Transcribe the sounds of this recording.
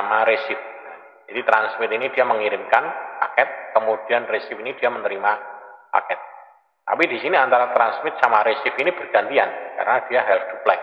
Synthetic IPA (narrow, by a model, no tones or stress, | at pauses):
amaɾesɪfja | d͡ʒadit̪ɾansmɪt̪inid̥iaməŋiɾɪmkanpa̰kɛt̪̚kəmudianresɪpinid̥iamənəɾimapa̰kɛt̪̚ː | a̰pidisiniant̪aɾat̪ɾansmɪt̪̚samaɾesɪfinibərɡant̪ia̰nka̰ɾənad̥iaɦɛld̪uplɛk̚